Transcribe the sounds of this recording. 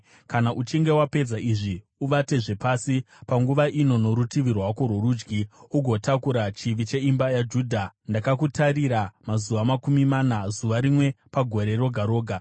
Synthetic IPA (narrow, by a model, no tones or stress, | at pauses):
kanaʔut͡ʃiŋɡe̞wape̞d͡zaʔiʐi | uʋate̞ʐe̞paːsi | paŋɡuʋaʔino̞no̞ɾutiʋirwakoɾoruːd͡ʒɡiuɡʱo̞takuɾat͡ʃiʋit͡ʃe̞imbajad͡ʒuːdʱandakakutaɾiɾamazuʋamakumimaːnazuʋaɾimwe̞paɡʱo̞ɾe̞ro̞ɡʱaɾo̞ːɡʱa